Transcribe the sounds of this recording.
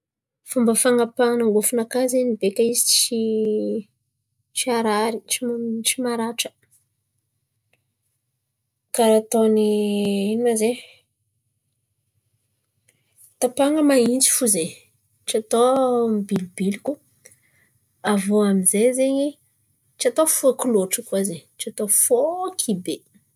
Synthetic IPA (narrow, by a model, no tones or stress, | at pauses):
fumbəfaŋapanaŋɡufunakazenibekaizit͡ʃi | t͡ʃiaɾaɾit͡ʃimt͡ʃimaɾaʈ͡ʂə̥ | kaɾat̪oniinnaze | t̪apaŋɡəmaint͡si̥fuze | ʈ͡ʂiat̪ombilibiliku | avoamizezeɲi | t͡ʃiat̪ofuakuloʈ͡ʂəkuazeʈ͡ʂiat̪ofokʰibe